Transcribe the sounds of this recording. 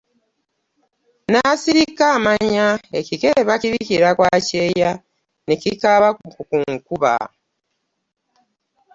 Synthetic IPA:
nasiɾikamaɲaecikeβakciβiciɾakwaceja | necikaβakukuŋkuβa̰

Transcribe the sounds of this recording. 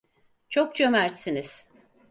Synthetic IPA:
t͡ʃʰok̚t͡ʃʰømæɾt̪siniz̥

